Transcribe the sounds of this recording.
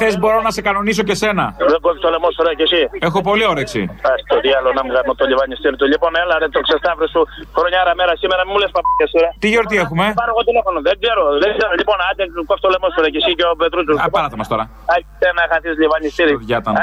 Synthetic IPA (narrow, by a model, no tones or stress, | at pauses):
θesbo̞ɾo̞nɐse̞kɐno̞nis̬o̞ce̞se̞nɐðeɡofit̪olemosfoɾɐcesiexo̞po̞lio̞ɾeksḭft̪ɐsi̥t̪oðiɐlonɐmuɣɐmot̪oʎivɐɲist̪iɾit̪uʎipo̞nelɐðet̪oksest̪ɐvɾosuxɾoɲɐɾɐmeɾɐsimeɾɐmemulespɐpɐkɐsiɾɐt̪iʝeɾot̪iexume̞pɐɾoɣot̪ilefonoðeɡze̞ɾoðeɡzeɾoʎipo̞nɐt̪ekofi̥t̪olemosfoɾɐcesiceopet̪ɾuzuɐɾɐθomɐst̪o̞ɾɐ | ɐsenɐxɐθizʎivɐɲist̪iɾiʝɐt̪ɐn